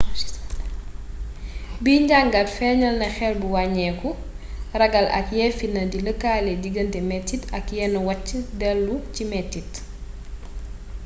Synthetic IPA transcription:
biːɲɟaŋɡɐtfɛɲɐlnɐxɛlbuwaɲɛːku | rɐɡɐlɐ̰kjɛfinɐdiləkaːlɛdiɡɐntɛmɛtːitʰɐkjɛːnɐwɐcːədɛlːucimɛtːit

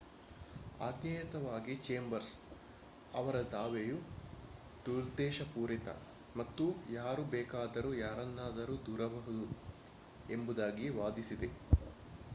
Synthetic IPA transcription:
a̰ːɡnɐjɐt̪ɐʋaːɡit͡ʃeːmbɐɾs | ɐ̰ʋɐɾɐd̪aːʋeju | d̪̥uɾd̪ɛːʃɐpuːɾit̪ɐ̰ | mɐt̪ːujaːɾubɛːkaːd̪ɐɾujaːɾɐnːaːd̪ɐɾud̪uːɾɐbɐɦud̪u | embud̪aːɡiʋaːd̪isid̪e̞

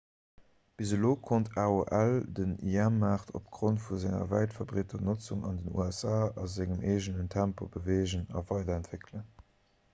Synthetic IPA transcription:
b̥izəloːkʰontʰaːoʔældəniæmːaːχtʰo̰pɡ̥ʁontfuzæŋɐ̰væɪtfɑbʁetʰɐnot͡suŋɑndənṵæsaːɑzɪŋəmeːʒənəntʰæmpo̰bəveːʒənɑ̰vɑɪdɐæntv̥ekʰlən

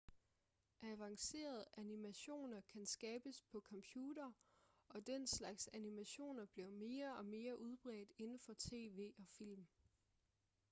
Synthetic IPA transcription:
ʔæʋɑ̈ŋse̝̰ːɐð̞̩ˠænimæɕo̝̰ːnɐkʰænsɡ̥ɛːb̥əspʰɒ̽kʰɒ̽mpʰjuːdɐɒ̽d̥enslɑ̈ɡ̥sænimæɕo̝̰ːnɐb̥liɐme̝ːɐɒ̽me̝ːɐʔuð̞ˠb̥ʁɛ̰ːd̥e̝nn̩fɒ̽t͡sʰe̝̰ːʋe̝̰ːɒ̽fil̰m

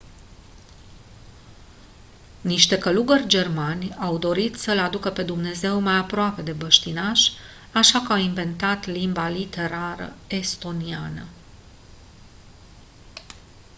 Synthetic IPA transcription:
niʃt̪e̞kəluɡərʲd͡ʒe̞rmanʲawd̪o̞ɾit̪səlad̪ukəpe̞d̪umne̞ze̞wmajapɾoape̞d̪e̞bəʃt̪inaʃ | aʃakəawiɱve̞nt̪at̪limbalit̪e̞ɾaɾə̰e̞st̪o̞nianə

